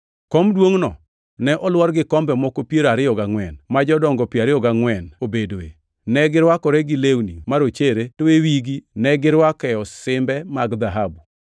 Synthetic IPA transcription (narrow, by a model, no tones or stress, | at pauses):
kɔmdwoŋnɔ | nɛʔɔlwɔɾɡɪkɔmbɛmɔkopjeɾaɾɪjɔɡaŋwɛnmad͡ʒɔdɔŋɡɔpiaɾɪjɔɡaŋwɛnobedoe | nɛɡɪɾwakɔɾɛɡɪlewnimaɾot͡ʃeɾetowewiɡinɛɡɪɾwakɛɔsɪmbɛmaɡd̪aɦabu